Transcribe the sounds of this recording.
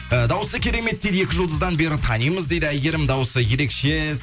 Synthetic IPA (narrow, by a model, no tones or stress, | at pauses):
əd̪ɑwəsəkʲʰe̞ɾe̞me̞t̪d̪ed̪ɪe̞kʲɪʒʊlˠd̪əzd̪ɑnbe̞ɾɪt̪ʰɑnijməzd̪ejd̪ɪæjɡʲe̞ɾɪmd̪ɑwəsəje̞ɾe̞kʃez